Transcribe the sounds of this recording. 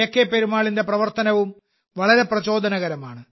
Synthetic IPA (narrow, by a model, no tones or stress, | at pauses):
ekːepeɾumaːɭinde̞prɐʋɐrt̪ɐnɐʋum | ʋɐɭɐɾe̞prɐt͡ɕo̞ːd̪ʱɐnɐɣɐɾɐmaːɳɨ